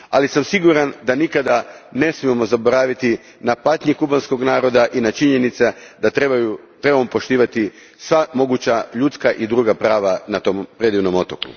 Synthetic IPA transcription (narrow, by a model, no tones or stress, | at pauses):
a̰lisamsiɡuɾand̪anikad̪a | ne̞smiemo̞zabo̞ɾaːʋit̪i | napat̪ɲikubanskoɡnaːɾo̞d̪aʔinat͡ʃiɲe̞nit̪sed̪at̪eaju | t̪ɾe̞bamopo̞ʃt̪iːʋat̪i | sʋamo̞ɡut͡ɕaʎut̪skaʔid̪ɾuːɡapɾaːʋanat̪o̞mpɾe̞d̪iʋno̞mo̞t̪okṵ